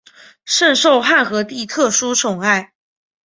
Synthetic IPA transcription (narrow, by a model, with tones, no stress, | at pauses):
ʂə˥˧nʂo˥˧ʊxa˥˩nxɤ˧˥t̪i˥˧t̪ʰɤ˥˩ʂu˥t͡sʰʊ˨˩ŋa˥˩ɪ